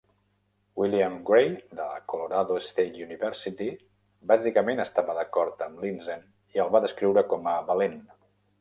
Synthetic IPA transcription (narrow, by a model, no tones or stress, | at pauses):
wiliəmɡɾejd̪ələ̰kuluɾaðoəst̪et̪uniβɛɾsit̪i | bazikəmenəst̪aβəðəkɔɾt̪əmlinzən | iəlˠβaðəskɾiwɾəkɔməβəlen